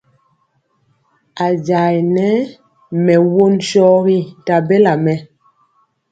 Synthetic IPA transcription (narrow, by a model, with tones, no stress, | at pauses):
a˨d͡ʒa˨jnɛ˨˦ | mɛ˨wo˦nʃɔ˦ɣi˦ta˨bɛ˦la˨mɛ˨